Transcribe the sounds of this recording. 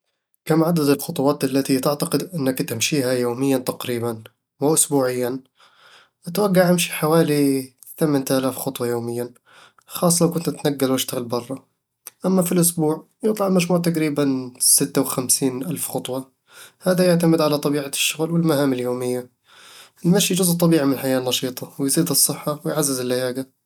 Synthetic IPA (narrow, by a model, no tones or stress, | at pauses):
kamʕad̪ad̪ɪlxʊt̪ˤʊwɑːt̪ʔalːat̪it̪ɪʕt̪aqɪd̪ʔɪnːakt̪ɪmʃiːɦajoːmɪjːant̪aqɾiːban | wɪʔʊsbuːʕɪjːan | ʔat̪waɡːaʕʔɪmʃi̥ħawaːli | θamɪnt̪ʔalaːfxʊt̪ˤwɑjoːmɪjːan | xɑːsˤlawkʊnt̪ʔt̪naɡːalwɪʃt̪aɣɪlbɑrˤːɑ | ʔamːafilʔʊsbuːʕ | jɨt̪ˤlɑʕlmad͡ʒmuːʕt̪aqɾiːbansɪt̪ːawxamsiːnʔalfxʊt̪ˤwɑ | haːðajaʕt̪amɪd̪ʕalat̪ˤɑbiːʕaʃːʊɣlwɪlmahaːmɪljoːmɪjːa | ɪlmaʃijd͡ʒʊzʔt̪ˤɑbiːʕimɪnħajaːnːɑʃiːt̪ˤɑwɪjziːd̪ɨsˤːɨħːɑwɪjʕazːɪzɪlːajaːɡa